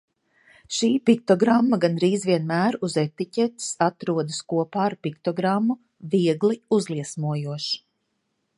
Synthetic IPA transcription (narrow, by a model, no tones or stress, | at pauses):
ʃiːpik̚t̪ɔɡɾamːaɡanɾiːzviɛnmæːɾuzet̪icʲɛt̪i̥sat̪ɾuɔd̪ɐskuɔpaːɾpikt̪ɔɡɾamːu | viɛɡliuzlˠiɛsmuɔjuɔʃ